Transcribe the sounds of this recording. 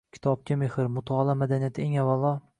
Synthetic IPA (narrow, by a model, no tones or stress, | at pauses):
kʲʰɪ̥t̪ʰɒb̚kʲamehɪɾmʊt̪ʰaɒlˠamad̪anijat̪ʰɪeŋavːalˠːɒ